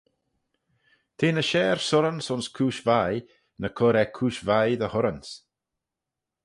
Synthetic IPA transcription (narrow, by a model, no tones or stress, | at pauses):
t̪ʰeːnəʃɛːɹsʊɾənsʊnskʰuːʃvaj | nəkʰɔɾɛkʰuːʃvajðəhʊɾəns